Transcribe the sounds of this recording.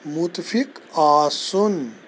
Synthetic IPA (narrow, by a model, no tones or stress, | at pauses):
mut̪fikaːson